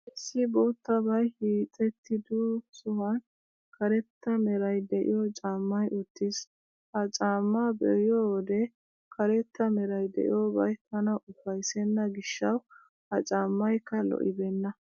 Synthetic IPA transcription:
ɛsːɪboːt̪ːɐbɐjhiːt͡sʼɛt̪ːɪd̪usʊhɐn | kɐɾɛt̪ːɐmɛɾɐjd̪ɛʔɪ̰jɔt͡ʃʼaːmːɐjʔʊt̪ːɪs | hɐt͡ʃʼaːmːabɛ̰ɪjod̪ɛ | kʰɐɾɛt̪ːɐmɛɾɐjd̪ɛ̰ʔɪ̰joːbɐjt̪ɐnɐʔʊfɐjsɛnːɐɡɪʃːɐw | hɐt͡ʃʼaːmːɐjkːɐlɔ̰ʔɪbɛnːɐ

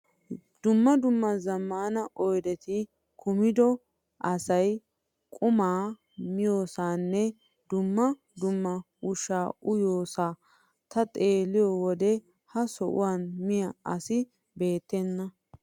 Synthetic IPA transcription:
d̪̥ʊmːɐd̪ʊmːɐzɐmːaːnɐʔɔjd̪ɛt̪ɪ | kʰʊmɪd̪ɔ | ʔɐsɐj | kʼʊmaː | mɪjo̞ːsaːnːɛ | d̪ʊmːɐ | d̪ʊmːɐ | ʊʃaːʔʊjoːsaː | t̪ɐt̪ʼeːlɪjɔwɔd̪ɛ | hɐsɔʔʊ̰waːnmɪjɐɐsɪ | be̞ːt̪ːɛnːɐ

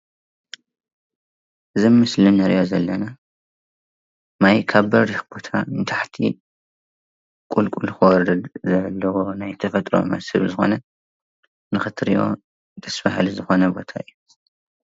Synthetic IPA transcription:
ʔɨzɨmɨslɨnɐɾijozɐlːɐna | majkʰaβbɐɾɾixb̥o̞t̪ʰaɨnt̪ʰaħt̪ʰḭ | kʼulkʼulxɨwɔɾɨd̪zɐlːɐwonajt̪ʰɐfɐt̪ʼɾo̞̰mɐ̰shɨβzɨxo̞̰nɐ | nɨxɨt̪ʰɾijo̞̰ | d̪ɐsfa̰hlizɨxo̞nɐbot̪ʰaɨjːu

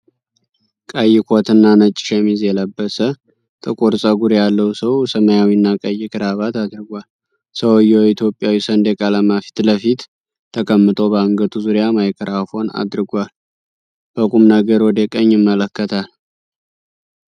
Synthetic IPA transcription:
kʼəjːɪkʰot̪ɨnːanət͡ʃʼːɪ̥ʃɛmizjɛləbːəsə | t̪ʼɨkʼoɾsʼəɡuɾjalːəwsəwsəməjawinːakʼəjːɪkʰʼɨɾaβat̪ad̪ɾɨɡʷal | səwjːɛit̪ʰjo̞pʼːjawisənd̪ɛkʼaləmafi̥t̪ləfit̪ʰː | əkʼəmːɨt̪ʰʼo̞bəŋɡət̪ʰuzuɾjamajkʰəɾafo̞na̰d̪ɾɨɡʷal | b̥əkʼumnəɡəɾwɔd̪əkʼəɲːɪmːələkːət̪ʰal

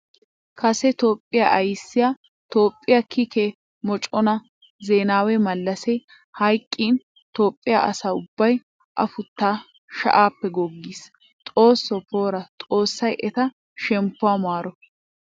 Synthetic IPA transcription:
kʰɐsɛt̪o̞ːpʼːɪjaːʔɐjsːɪjaː | t̪o̞ːpʼːɪjakʰike | mɔt͡ʃʼɔnɐ | zeːnaːwɛmɐlːɐsɛ | hɐjkʼːiːn | t̪o̞ːpʼːɪja̰ːʔɐ̰saːʊbːɐj | ʔɐ̰fʊt̪ːaː | ʃɐ̰ʔaːpːɛɡɔɡːiːs | t̪ʼo̞ːsːɔpo̞ːɾɐt̪ʼo̞ːsːɐjʔɛt̪ɐ | ʃɛmpːʊaːmaːɾɔ

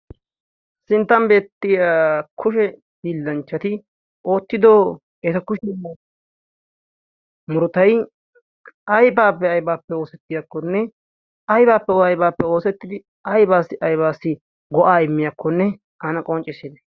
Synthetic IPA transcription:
sɪnt̪ːɐmbe̞ːt̪ːɪjaːkʰʊʃ̬ɛ | biːlːɐnt͡ʃːɐt̪ɪ | o̞ːt̪ːɪd̪oː | ɛt̪ɐkʊʃɛ | mʊɾʊt̪ɐj | ɐjbaːpːɛɐjbaːpːɛo̞ːsɛt̪ːɪjakːɔnːɛ | ɐjbaːpːɛɐjbaːpːɛo̞ːsɛt̪ːɪd̪ɪ | ɐjbaːsːɪʔɐjbaːsːɪ | ɡɔʔaːɪmːɪjakːɔnːɛ | ɐnɐkʼɔnt͡ʃʼɪsɪd̪ɛ̥

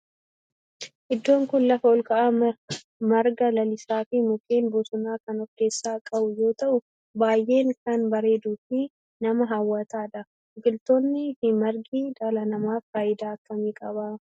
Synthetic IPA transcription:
ʔɪd̪ːo̞ːŋkʊnlɐfɐɔlkɐʔa | mɐɾɡɐlɐlɪsaːfɪmʊkʼeːnbɔsʊnaːkɐnɔke̞ːsːaːkʼɐbʊjo̞ːt̪ɐʔʊ | baːjʔe̞ːŋkɐnbɐɾe̞ːd̪uːfɪ | nɐmɐɦɐwːɐt̪aːᶑɐ | ɡɪlt̪oːnːɪfɪmɐɾɡiːᶑɐlɐnɐmaːfːaːjɪd̪aːɐkːɐmeːkʼɐbaː

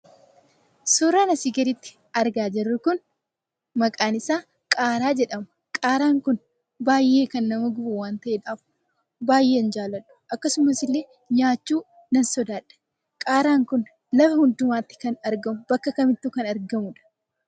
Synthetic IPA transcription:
suːɾɐnɐsɪɡɐɾɪt̪ːɪ̥ | ɐɾɡaːd͡ʒɛrːʊkʊn | mɐkʼaːnɪsaː | kʼaːɾaːd͡ʒɛᶑɐmʊ | kʼaːɾaːŋkʊn | baːjːʔe̞ːkɐnːɐmɐɡʊbʊwaːnt̪ɐʔeːᶑaːf | baːjʔe̞ːnd͡ʒaːlːɐᶑʊ̥ʔɐkːɐsʊmɐsɪlːeː | ɲaːt͡ʃːuː | nɐnsɔd̪aːᶑɐ̥ | kʼaːɾaːŋkʊn | lɐfɐhʊnd̪ʊmaːt̪ːɪ̥kɐnɐɾɡɐmʊbɐkːɐkɐmɪt̪ːuːkɐnɐɾɡɐmʊᶑɐ̥

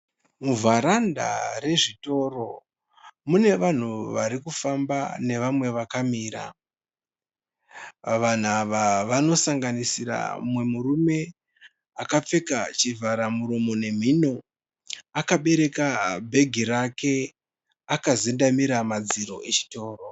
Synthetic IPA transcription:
muvʱaɾanda̰re̞ʐito̞ro̞ | mune̞ʋan̤uʋaɾikufambane̞ʋamwe̞ʋakamiːɾa̰ | ʋan̤aʋaʋano̞saŋɡanisiɾa̰mwe̞muɾume̞ | akap͡fe̞kat͡ʃivʱaɾamuɾumone̞m̤ino̞ | akaɓe̞ɾe̞kabʱe̞ɡʱiɾake̞ | akazendamiɾamad͡ziɾo̞̰ʔe̞t͡ʃi̥to̞ːro̞

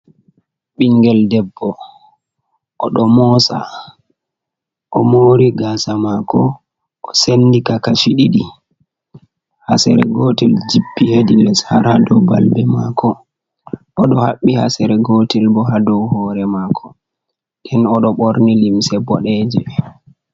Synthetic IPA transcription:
ɓiŋɡɛldɛbːɔ | ʔɔɗɔmɔsa̰ | ʔɔmoɾiɡasamakʰɔ | ʔɔsenːdikakaʃiɗiɗi | hasɛ̰ɾɛ̰ɡotild͡ʒibːihedinɛshaɾadɔwbalbɛmakʰɔ | ʔɔɗɔhaɓːihasɛɾɛɡotilbɔɦadɔwhɔːɾɛmaːkʰɔ | dɛnɔɗɔɓɔɾnilimsɛbɔɗɛːd͡ʒɛ

